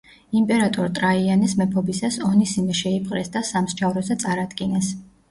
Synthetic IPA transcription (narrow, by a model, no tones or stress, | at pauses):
impʼɛɾat̪ʼɔɾt̪ʼɾaianɛsmɛpʰɔbisasɔnisimɛʃɛipʰχʼɾɛsd̪asamst͡ʃʰavɾɔsat̪sʼaɾad̪ɡinɛs